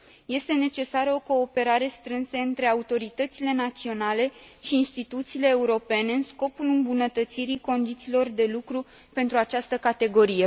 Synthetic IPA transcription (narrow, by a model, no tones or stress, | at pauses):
je̞st̪e̞ne̞t͡ʃe̞saɾəo̞ko̞ːpe̞ɾaɾe̞st̪ɾɨnsəɨnt̪ɾe̞aut̪o̞ɾit̪ət̪sile̞nat̪sio̞nale̞ʃiːnst̪it̪ut̪siːle̞ːuɾo̞pe̞ne̞ɨnsko̞pulɨmbunət̪ət̪siɾiko̞nd̪it̪siːlo̞rd̪e̞lukɾu | pe̞nt̪ɾuat͡ʃast̪əkat̪e̞ɡo̞ɾije